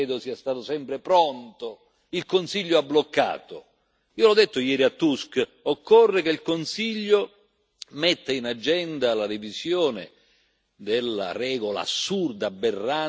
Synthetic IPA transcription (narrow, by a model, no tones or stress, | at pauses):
ɛːd̪osiːast̪aːt̪osɛmpɾepɾont̪o | ilkonsiʎːoablokːa̰ːt̪o | iːolɔd̪ːet̪ːojɛːɾiat̪ːuskokːorːekeilkonsiʎːo | met̪ːainad͡ʒːɛnd̪alaɾivisjoːnɪ̰ | d̪elːa̰rɛːɡola̰sːurd̪abːerːa